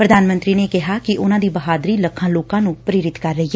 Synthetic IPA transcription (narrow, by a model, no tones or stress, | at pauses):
pɾəd̪ʱaːnmə̃nt̪ɾiːneːkɪɦaːkɪʔʊnãːd̪iːbəɦaːd̪ɾiːləkʰãːloːkãːnũːpɾeːɾɪt̪kəɾːəɦiːɛ